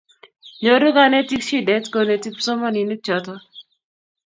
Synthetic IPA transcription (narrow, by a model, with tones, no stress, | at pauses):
ɲo˨ɾu˦ɡa˦nɛ˦ti˦kʃi˦dɛ˦tko˨ne˨ti˦k̚sɔ˦mɔ˦ni˨ne˦t͡ʃɔ˨tɔ˦